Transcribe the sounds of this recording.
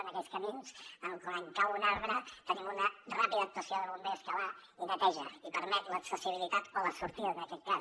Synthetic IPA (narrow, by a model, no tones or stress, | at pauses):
ənəkɛskəminz̥ənkoəŋkawunaɾβɾət̪ənimunərapiðəːk̚t̪uəsijoðəβumbeskəβainət̪ɛʒə̰ipəɾmɛt̪ləksəsiβ̞ilit̪at̪oləsuɾt̪iðəəkɛt̪̚ka